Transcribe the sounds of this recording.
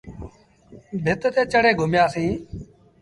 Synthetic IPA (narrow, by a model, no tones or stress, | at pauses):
bʱɪt̪t̪eːt͡ʃəɽeːɡʱʊmjaːsĩː